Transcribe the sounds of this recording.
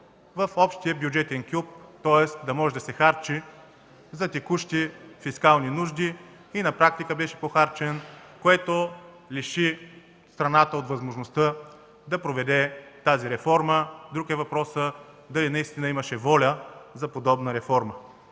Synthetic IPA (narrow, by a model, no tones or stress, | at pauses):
vɐfɔpʃt̪ijəbjud͡ʒɛt̪ɛnkʲup̚t̪ɔɛsd̪ɐmɔʒɛd̪ɐsɛxaɾt͡ʃi | zɐt̪ɛkuʃt̪ifiskalˠninuʒd̪i | inɐpɾak̚t̪ikəbɛʃɛ̥poxaɾt͡ʃɛnkoɛt̪o | liʃi | st̪ɾɐnat̪əot̪vɐzmoʒnost̪ə | d̪ɐpɾovɛd̪ɛt̪aziɾɛfɔɾməd̪ɾukɛvɐpɾɔsə | d̪ɐlinɐist̪inəiməʃɛvɔlʲəzɐpod̪ɔbnəɾɛfɔɾmə